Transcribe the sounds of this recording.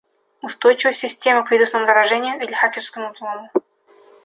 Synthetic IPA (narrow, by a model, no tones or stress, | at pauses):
ust̪ojt͡ɕɪvəsʲɪsʲtʲemɨkvʲid̪usnəmzəɾaʐɛnʲɪjʊilʲxakʲɪrskəmzlˠomʊ